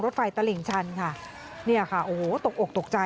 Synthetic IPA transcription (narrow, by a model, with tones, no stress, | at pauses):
ŋɾo˦˥t̪̚fa˧jt̪a˧li˨˩˦ŋt͡ɕʰa˧nkʰa˥˩ | ni˥˩ɐkʰa˥˩ʔoː˨˩ho˩˦t̪o˨˩k̚ʔo˨˩k̚t̪o˨˩k̚t͡ɕa˧